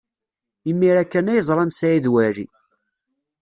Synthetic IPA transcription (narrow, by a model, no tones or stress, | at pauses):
imːiɾækːænæjəzˤɾˤɑnsæjiðwæɾḭ